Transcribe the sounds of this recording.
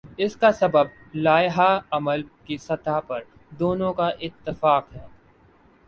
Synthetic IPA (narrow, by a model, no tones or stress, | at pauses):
ɪskasɐbəb̚ | laːjɦaɐməlkisɐt̪apɐɾ | d̪oːnõkaʔɪt̪ːɪfaːqɦɛː